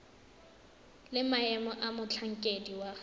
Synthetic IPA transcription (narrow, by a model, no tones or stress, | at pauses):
lɪmaɛmɔʔamʊt͡ɬʰaŋ̩kʼediwa